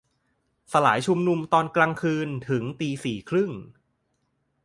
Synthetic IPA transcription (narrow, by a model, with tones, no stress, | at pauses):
sa˧la̰ː˩˦jt͡ɕʰu˧mnu˧mt̪ɔː˧nklaː˧ŋkʰɯː˧nt̪ʰɯ˩˦ŋt̪iː˧siː˨˩kʰɾɯ˥˩ŋ